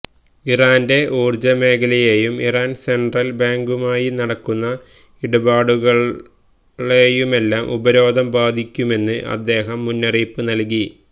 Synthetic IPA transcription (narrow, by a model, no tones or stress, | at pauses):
iraːnde̞ʔoːrd͡ʑɐme̞ːkʰɐlɐjejumiraːnseɳɖrɐlbaːŋɡumaːjinɐɽɐkːunːɐ | iɽubaːɽuɣɐɭ | ejume̞lːaːmʔubɐɾo̞ːd̪ʱɐmbaːd̪ʱikʲːume̞nːɨʔɐ̰d̪ːe̞ːɦɐmːunːɐriːpːɨnɐlk̬i